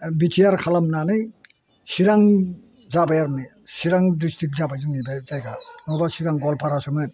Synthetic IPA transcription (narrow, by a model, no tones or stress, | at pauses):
bit͡ʃʰijaɾkʰalamnanɯj | siɾaŋ | zabajaɾmɯsiɾaŋdistʰik̚zabajzɯmibazajɡanɔbasiɾaŋɡɔlpʰaɾasɔŋɯn